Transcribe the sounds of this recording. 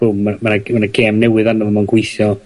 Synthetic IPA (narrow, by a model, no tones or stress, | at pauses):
ʊmmamanamanaɡeːmnɛwɨðanɔvɔmanɡwɪjθjɔ